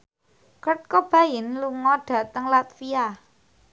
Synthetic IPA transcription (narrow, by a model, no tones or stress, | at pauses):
kət̪̚kob̥a̤jɪnluŋɔɖ̥ä̤t̪əŋlat̪̚fia